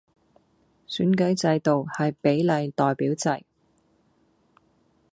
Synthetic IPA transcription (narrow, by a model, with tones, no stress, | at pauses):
syː˨˥nkɵ˨˥ɥt͡sɐ˧jt̪o˨whɐ˨jpe˨˥jlɐ˨˧jt̪ɔː˨˩jpiː˨˥wt͡sɐ˧j